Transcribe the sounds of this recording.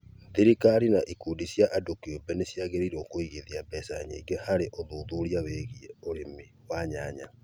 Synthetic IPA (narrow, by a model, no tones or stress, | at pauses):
ðiɾikaɾinaʔikuːdisjaʔadokiobɛnesjaɣeɾiɾokoiɣiðiabɛsaɲḛiɡehaɾeʔoðuːðuɾiaweɣieoɾemi | waɲaɲa